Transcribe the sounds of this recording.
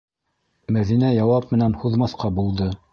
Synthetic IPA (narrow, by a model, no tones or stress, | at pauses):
mæðinæjɑwɑp̚mɘ̆nænhuðmɑθqɑbulˠd̪ɤ